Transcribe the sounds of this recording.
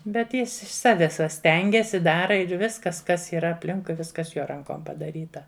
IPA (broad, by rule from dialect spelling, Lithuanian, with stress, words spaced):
bʲɛt ˈjɪs ɪʃ ˈsɑːʋʲɛs ʋɐ ˈsʲtʲɛŋʲɡʲɛs ɪ ˈdɑːrɐ ɪr ˈʋʲɪskɐs ˈkɐs iːˈrɐ ɐpʲˈlʲɪŋkʊɪ ˈʋʲɪskɐs ˈjoː ˈrɐŋkoːm pɐdɐˈrʲiːtɐ